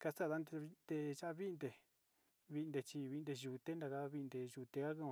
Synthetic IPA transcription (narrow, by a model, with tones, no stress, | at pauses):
ka˧sa˦˨ða˧˦nd̪e˧nd̪e˧ʒa˦a˧βi˦nd̪e˧ | βi˧nd̪e˧t͡ʃi˧βi˧nd̪e˧ʒu˧˨t̪e˦nd̪a˧ka˧βi˧nd̪e˧ʒu˧t̪e˧ka˦kũ˦˧˨